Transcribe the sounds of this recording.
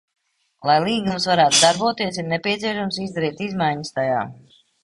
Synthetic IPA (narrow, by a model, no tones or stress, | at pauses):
lˠajlˠiːɡumsvaɾaːt̪ud̪aɾbuɔt̪iɛs̬iɾnɛpʲiɛsiɛʃamsizd̪aɾiːt̪izmajɲəst̪aja̰ː